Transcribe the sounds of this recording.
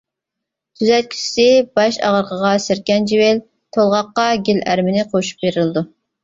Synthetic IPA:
t̪ʰyzɛt̪̚kʲʰy̥t͡ʃsɪbɑʃɑ̰ʁəɾqʰəʁɑsɪɾkʲɛnd͡ʒiwel | t̪ʰolˠʁɑqːɑɡʲilæɾmɪnɪqʰoʃu̥p̚beɾɪlɨd̪u

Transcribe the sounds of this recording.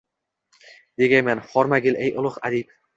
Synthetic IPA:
d̪̥eɡʲajmanχɒɾmaɡʲɪlʔejʔʊlˠʊχad̪ip̚

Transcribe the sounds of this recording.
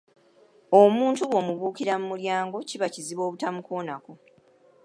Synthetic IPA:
omuːntuwo̞ːmuβuːkiɾamumuljaːŋɡo̞ciβaciziβo̞ːβutamuko̞ːnako̞

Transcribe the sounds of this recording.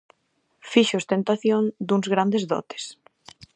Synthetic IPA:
fiʃost̪ent̪aθjoŋd̪uŋzɣɾand̪ezðɔ̰t̪e̥s

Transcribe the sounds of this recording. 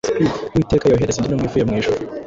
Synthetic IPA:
spiwiːteːkajoɦeɾezendinomŋiːfujamŋiːʃu

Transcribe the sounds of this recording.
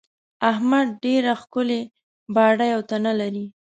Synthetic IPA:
ahmad̪̚ɖeɾaxkʊle | bɑɽajawt̪analaɾi

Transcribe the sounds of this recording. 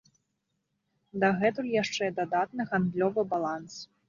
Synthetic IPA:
d̪ɐɣɛt̪ulʲjaʂt͡ʂɛd̪ad̪at̪nɨɣand̪lʲɔvɨbalˠans

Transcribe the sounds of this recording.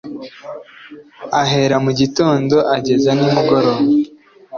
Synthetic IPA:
aɦe̞ɾamuɟito̞ːndo̞ʔaɟe̞zanumuɡo̞ɾoa

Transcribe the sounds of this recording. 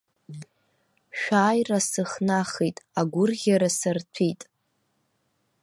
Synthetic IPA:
ʃᶣʷaːjrasɨχnaχejtʼaɡʷʊrʁʲaɾasɨrtʰitʼ

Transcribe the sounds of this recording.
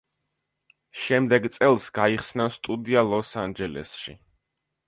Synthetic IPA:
ʃɛmd̪ɛɡt̪sʼɛlˠsɡaiχsnast̪ʼud̪ialˠɔsand͡ʒɛlɛ̰sʃḭ

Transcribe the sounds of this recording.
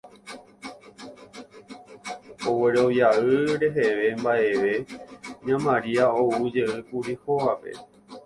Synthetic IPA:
owe̞ɾo̞ʋjaɨɾe̞ɦeʋe̞mbaʔe̞ʋe̞ɲãmãɾiaoud͡ʒeɨkuɾihoʋape̞̰

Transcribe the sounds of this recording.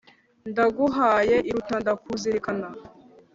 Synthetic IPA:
ndaɡuɦaːjeʔiɾutandakuziɾikana

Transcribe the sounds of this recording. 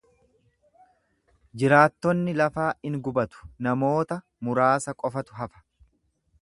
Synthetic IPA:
d͡ʒɪɾaːt̪ːɔnːɪlɐfaːɪŋɡʊbɐt̪ʊ̥nɐmo̞ːt̪ɐ | mʊɾaːsɐkʼɔfɐt̪ʊ̥ɦɐfɐ̥

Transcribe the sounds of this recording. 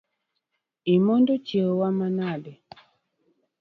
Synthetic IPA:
imɔndɔt͡ʃɛwamanadɛ

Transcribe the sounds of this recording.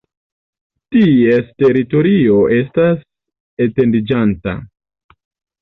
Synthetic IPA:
tie̞ste̞ɾito̞ɾio̞ʔe̞stas | ete̞ndid͡ʒanta̰

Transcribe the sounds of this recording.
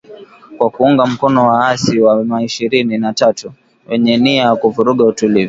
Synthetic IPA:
kwakuuŋɡam̩kɔnɔwaasiwamaiʃiɾininatatu | wɛɲɛniajakuvuɾuɠautulivu

